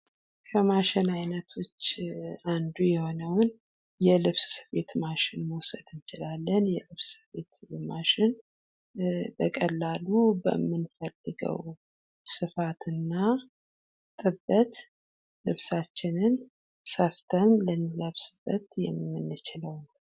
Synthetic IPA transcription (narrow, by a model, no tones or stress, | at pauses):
kʰəmaʃɪnajnət̪ʰo̞t͡ʃːand̪ujɛho̞nəwn | jɛlɨβssɨβe̞t̪maʃɪnmowsəd̪ɨnt͡ʃɪlalːənjɛlɨβssɨβe̞t̪maʃɪn | bəkʼəlːalubə̰mːɨnfəlːɨɡə̰w | sɨfat̪ʰɨnːa | t̪ʼɨbːət̪ | lɨβsat͡ʃːɪnɨn | səft̪ʰənlənːiləβsɨbːət̪jɛmmːɨnːɨt͡ʃɪləwn